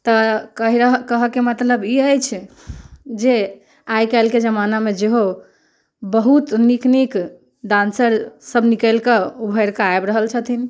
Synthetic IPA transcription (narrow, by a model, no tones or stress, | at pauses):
t̪əkəɦiɾəɦkəɦəkemət̪ləbiəjt͡ʃʰ | d͡ʒe | ajkɛlked͡ʒəmanamed͡ʒeɦo | bəɦut̪niknik | d̪ãnsəɾsəbnikəlkeubʱəɾkeajbɾəɦəlt͡ʃʰət̪ʰin